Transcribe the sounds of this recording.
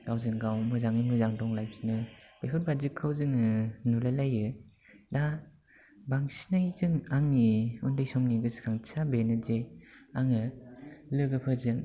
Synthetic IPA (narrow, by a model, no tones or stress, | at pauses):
ɡawzɯŋɡawmɯzaŋɯmɯzaŋdɔŋlajpsinɯb̥ekʰɯt̚bazɯkʰɯwzɯŋɯnulalajɯ | da | baŋsinajzɯŋaŋniundɯjsɔmniɡɯsɯ̥kʰaŋsabenɯzeaŋɯlɯɡɯpʰɯzɯŋ